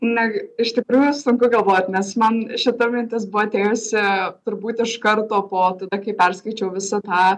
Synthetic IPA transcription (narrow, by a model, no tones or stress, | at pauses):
nʲɛɪʃt̪ʲɪkɾuːjʊsʊŋkʊɡɐlˠʋoːt̪ʲnʲɛsmɐnʃʲɪt̪omʲɪnʲt̪ʲɪsbʊʋɐt̪ʲeːjʊsʲɪt̪ʊɾbuːt̪ʲɪʃkɐɾt̪oːpoːt̪ɐd̪ɐkɐɪpʲɛrskɐɪt͡ʃʲɛʊʋʲɪsɐt̪ɑː